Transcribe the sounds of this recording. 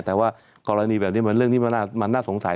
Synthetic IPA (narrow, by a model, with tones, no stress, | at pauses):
t̪ɛː˨˩waː˥˩ | kɔː˧ɾa˧niː˧bɛː˨˩ni˦˥˨m˧nɾɯ˥˩əŋt̪ʰiː˥˩ma˧naː˥˩ma˧nːaː˥˩so˨˩˦ŋsa˩˦